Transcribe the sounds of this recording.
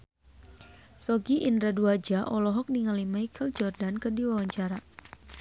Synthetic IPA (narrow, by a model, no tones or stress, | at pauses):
sɔɡiʔindɾaduad͡ʒaʔɔlɔɦɔk̚niŋalimajkʰəld͡ʒɔrdankərdiwawaɲt͡ʃaɾa